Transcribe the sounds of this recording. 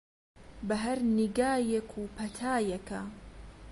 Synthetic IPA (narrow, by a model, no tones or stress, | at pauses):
bɐɦɐɾniɡaːjekʰuːpʰɐt̪ʰaːjekʰɐ